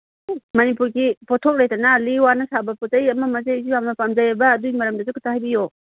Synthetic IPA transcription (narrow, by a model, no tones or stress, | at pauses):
mɐnipuɾkipʰɔtʰɔk̚ɾejtanaliwanasabaputajɐmamazajzuamnapamzajabaːdujmɐɾɐmdazukʰɯtʰahajbijɔ